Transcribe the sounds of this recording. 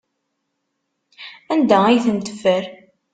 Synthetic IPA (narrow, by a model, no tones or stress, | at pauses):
ænd̪æijθənt̪ə̥fəɾ